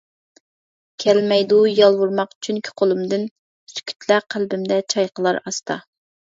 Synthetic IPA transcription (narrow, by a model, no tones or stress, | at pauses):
kʲʰɛlmɛjd̪ujɑlˠwuɾmɑqt͡ʃʰyŋkʲʰi̥qʰolˠumd̪ɨn | sy̥kʲʰy̥t̪ʰlæqʰælbɪmd̪ɛt͡ʃʰɑjqʰəlˠɑɾɑst̪ɑ̰